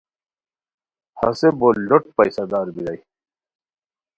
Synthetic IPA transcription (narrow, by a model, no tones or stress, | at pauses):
hɐ̰seboloʈ̚pɐjsad̪aːɾbiɾaj